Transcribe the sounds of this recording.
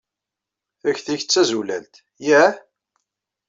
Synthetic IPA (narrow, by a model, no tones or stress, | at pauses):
θæçθiçət͡sːæzulæ̰lt̪ | jæ